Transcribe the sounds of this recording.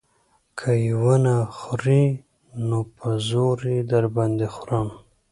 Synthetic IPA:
kʰajwənaxɾi | nopʰazoɾid̪aɾband̪exuɾam

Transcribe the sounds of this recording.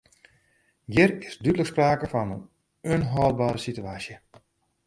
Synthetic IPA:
jɪrɪsdytləkspraːkəfɔnən | onɦɔːlˠbaːɾəsityaːsjə

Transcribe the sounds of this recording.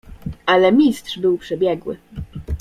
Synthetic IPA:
ʔalɛmʲistʂbɘwpʂɛbʲjɛɡwɘ̰

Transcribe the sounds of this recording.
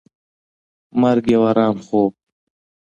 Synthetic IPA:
mɐɾɡewɐɾaːmxoːb̚

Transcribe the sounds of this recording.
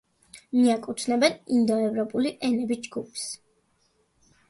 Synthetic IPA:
miakʼut̪ʰnɛbɛnind̪ɔɛvɾɔpʼuliʔɛnɛbid͡ʒɡupʰs

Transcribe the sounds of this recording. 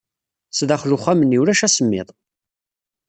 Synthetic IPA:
sðaχlʊχæməniwlæʃæsəmːɪ̰ðˤ

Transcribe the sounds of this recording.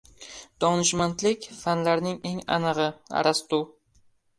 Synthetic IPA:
d̪̥ɒnɪʃmant̪lɪkʲfanlaɾnɪŋe̞ŋa̰nɨʁɨa̰ɾast̪ʊ

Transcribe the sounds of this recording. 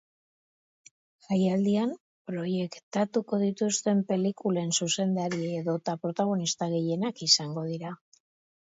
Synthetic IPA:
ʝajald̪iam | pɾo̞je̞kt̪at̪uko̞ð̞it̪ust̪e̞mpe̞likule̞nsuse̞nd̪aɾieːðo̞t̪apɾo̞t̪aɣ̞o̞nist̪aɣe̞je̞nakisaŋɡo̞ð̞iɾa

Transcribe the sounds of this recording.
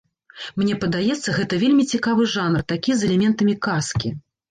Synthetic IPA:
mnʲɛpɐd̪ajɛt̪sːɐɣɛt̪ɐvʲelʲmʲit͡sʲikavɨʐanrt̪akʲizɛlʲɛmʲɛnt̪ɐmʲikaskʲi

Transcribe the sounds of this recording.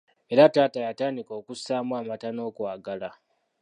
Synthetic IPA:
e̞ɾataːtajataːndiko̞ːkusaːmwaːmatano̞ːkwaːɡala

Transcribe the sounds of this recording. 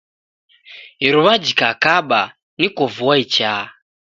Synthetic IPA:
ɦiɾuβad͡ʒikakaɓa | nikovuwait͡ʃa

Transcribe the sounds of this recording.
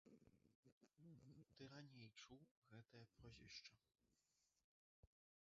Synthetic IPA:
d̪ɨɾaɲʲejt͡ʂuwɣɛt̪ɛpɔʑɛ̰ʂt͡ʂɐ

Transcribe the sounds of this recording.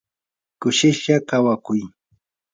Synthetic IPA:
kʊʃɪʃakawakʊj

